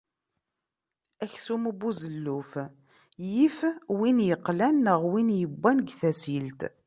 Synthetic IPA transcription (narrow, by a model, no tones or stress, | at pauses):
æçθumbːuzəlːuf | jifwinjəqːlænəʁwinjəbːænɡθæsilt̪